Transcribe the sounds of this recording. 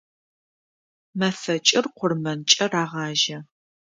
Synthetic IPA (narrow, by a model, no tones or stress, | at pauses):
mɐfɐt͡ʃʼɪrqʷʊrmɐnt͡ʃʼɐraːʁɑːʒɐ